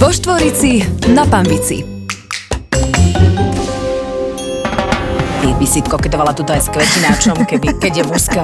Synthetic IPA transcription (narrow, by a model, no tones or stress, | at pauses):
ʋɔʃt̪ʋɔɾit͡sinapanʋit͡sḭ | t̪ibisit̪kɔkɛt̪ɔʋalat̪ut̪ɔajskʋɛcinat͡ʃɔmkɛbikɛɟjɛmuɾska